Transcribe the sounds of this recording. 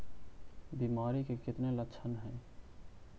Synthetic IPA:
bimaːɾikekɪt̪neləkːʃʰənɦɛ̃ː

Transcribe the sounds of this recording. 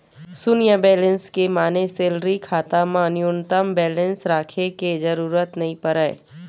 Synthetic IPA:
sʊnɪjabɛːlə̃nskemaːneseːlɾikʰaːt̪amãnɪjʊnt̪əmbɛːlə̃nsɾaːkʰeked͡ʒəɾuːɾət̪nɐɦĩpəɾəe

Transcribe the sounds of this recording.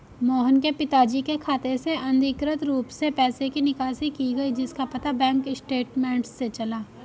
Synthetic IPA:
mɔːɦənkepɪt̪aːd͡ʒikekʰaːt̪eseɐ̃nd̪ʱɪkɾət̪ɾuːpsepɛːsekinɪkaːsikiɡɐid͡ʒɪskapɐt̪abɛ̃ːŋkɪsʈeːʈmɛ̃ːɳʈsːet͡ʃɐlaː

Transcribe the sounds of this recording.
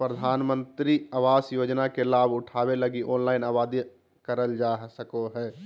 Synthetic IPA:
pɾəd̪ʱaːnmə̃nt̪ɾiəʋaːsjoːd͡ʒnakelaːbʱʊʈʰaːbeləɡiʔɔːnlaːɪnaːbaːd̪i | kəɾəld͡ʒaːsəkoɦɛː

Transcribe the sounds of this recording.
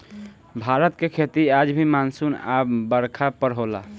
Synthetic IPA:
bʱaɾət̪kekʰet̪iad͡ʒbʱimansuna̰bəɾkʰapəɾɦola̰

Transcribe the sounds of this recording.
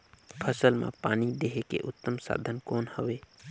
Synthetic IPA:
pʰəsəlmã̰paːnid̪eɦekḛʔʊt̪ːəmsa̰ːd̪ʱənkoːnhəʋeː

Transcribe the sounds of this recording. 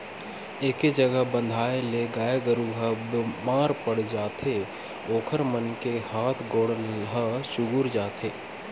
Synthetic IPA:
eːked͡ʒəɡəɦbə̃nd̪ʱaːeleɡaːjeɡəɾuɦəbmaːɾpəɽ̤d͡ʒaːt̪ʰe | oːkʰəɾmənkehaːt̪ʰɡoːɽənɦəʃʊɡʊɾd͡ʒaːt̪ʰeː

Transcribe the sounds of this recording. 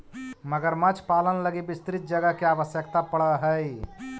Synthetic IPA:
məɡəɾmɐt͡ʃʰpaːlənləɡibɪst̪ɾit̪̚d͡ʒɐɡəkiaːʋəsjəkt̪apɐɽaɦəi

